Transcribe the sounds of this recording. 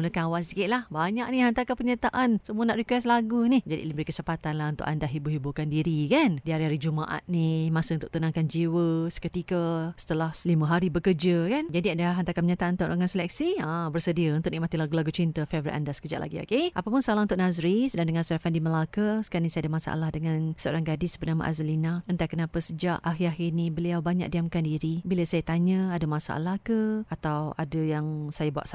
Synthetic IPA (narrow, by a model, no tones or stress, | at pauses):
muləkaawasikɪʔ̪̚lahbaɲaʔ̚niɦant̪akapərɲat̪aʔansəmuənaʔɾikwɛslaɡunihd͡ʒadḭləbəɾikəsəpat̪anlaɦunt̪ʊ̰kʔa̰ndahɦibuɦibukandiɾikandiaɾiɦaɾid͡ʒumaʔa̰t̪̚nimasəunt̪ʊʔ̚t̪ənãŋkand͡ʒiwəsə̥kət̪ikəsə̥t̪əlahlimə̃ɦaɾibəkərd͡ʒəkand͡ʒadiadaɦant̪akanməɲat̪aʔnt̪ʊʔɾa̰ŋansəlɛk̚siabərsədiəunt̪ʊʔ̚niʔmat̪ilaɡulaɡut͡ʃint̪əfevəɾḭʔa̰ndasə̥kəd͡ʒa̰ʔlʔa̰ɡio̰keʔapapʊnsəalaunt̪ʊʔ̚nazɾisədaŋdəŋansəoɾafandiməlakəsə̥kanisaadəmasa̰ʔa̰lahdəŋansəo̰ɾaŋɡadɪsbərnama̰ʔa̰zalinaənt̪akənapasəd͡ʒaʔaɦiaɦirnibəliawbaɲa̰ʔ̚diamkandiɾibiləsajat̪aɲəadəmasa̰ʔa̰lahkəat̪awadəjaŋsajabua̰ʔs